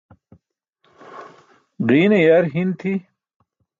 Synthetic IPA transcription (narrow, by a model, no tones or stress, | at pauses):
ʁiːnejaɾɦint̪ʰi